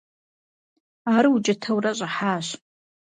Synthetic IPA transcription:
aːɾɨut͡ʃʼɐtʰɐwrɐɕʼɐħaːɕ

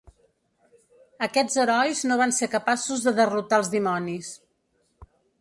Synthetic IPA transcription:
əkɛd͡zəɾɔjznoβanseɾkəpasuzðəðərut̪aəlˠzðimɔnis

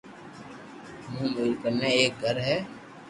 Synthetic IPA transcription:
mũːmɪːlkəɾnẽeːk̚ɡʱəɾɦɛː

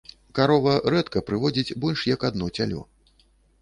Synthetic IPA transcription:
kaɾɔvɐɾɛt̪kɐpɾɨvɔd͡zʲit͡sʲbɔlʲʂjɐkad̪nɔt͡sʲalʲɔ̰

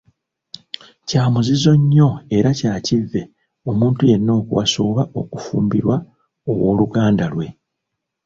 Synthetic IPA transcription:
caːmuzizo̞ɲːo̞e̞ɾacaːcivːe̞ | o̞muːntuje̞nːo̞ːkuwa̰soːβao̞kufuːmbiɾwa | o̞wo̞ːluɡaːndalwe̞

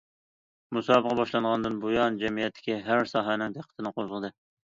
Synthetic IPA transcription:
musɑːbəʁɑbɑʃlˠɑɴʁɑnd̪ɨnbojɑnd͡ʒɛmijɛt̪ʰːɪ̥kʲiɦæɾsɑːɦɛnɪŋd̪æqʰːət̪ʰɪnɨqʰozʁəd̪ɨ

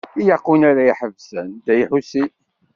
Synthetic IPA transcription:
ijɑqːunaɾaiħəvsænd̪æjiħusi

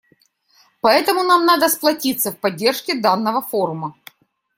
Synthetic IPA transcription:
pɐɛt̪əmʊnamnad̪əsplˠɐtʲit̪səfpɐdʲːe̞rʂkʲɪd̪anːəvəfo̞ɾʊmə

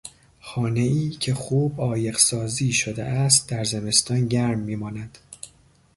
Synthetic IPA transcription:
xɒːne̞iːcʰe̞xuːbɒːje̞ɢsɒːziːʃod̪ḛʔæst̪̚d̪æɾzeme̞st̪ɒːnɟæɾmːiːmɒːnæd̪̥

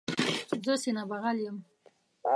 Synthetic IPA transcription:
zəsenabaɣaljəm

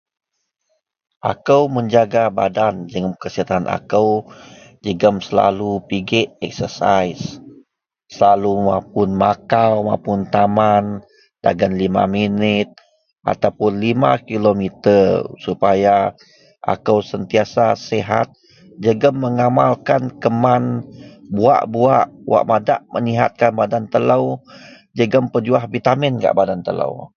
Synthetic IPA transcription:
ʔa̰kəwməɲd͡ʒaɡabadand͡ʒəŋmkəsiɦat̪anʔa̰kəwd͡ʒəɡəmsəla̰lupiɡɛʔɛk̚səsajsː | əlalumap̚ʊnmakawmapʊnt̪aman | d̥a̰ɡanlima̰minɪt̪̚ | ʔa̰t̪awpʊnlimakilomit̪ərsupaja | a̰kəwsənt̪iasaseɦa̰t̪̚ | d͡ʒəɡəmːəŋamalkankəmanbua̰ʔbuaʔwa̰ʔmada̰ʔməniɦa̰t̪̚kanbadant̪ələw | d͡ʒəɡəmpəd͡ʒuahbit̪amɛnka̰ʔbadant̪ələ̰w

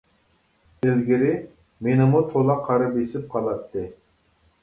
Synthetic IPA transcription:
ɪlɡʲɪɾɪ | menɪmut̪ʰolˠɑqʰɑɾɑpesɪp̚qʰɑlˠɑt̪ːɨ

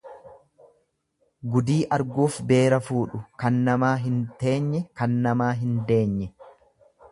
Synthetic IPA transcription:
ɡʊd̪iːʔɐɾɡuːfbe̞ːɾɐfuːᶑʊkɐnːɐmaːɦɪnt̪e̞ːɲːɛkɐnːɐmaːɦɪnd̪e̞ːɲːɛ

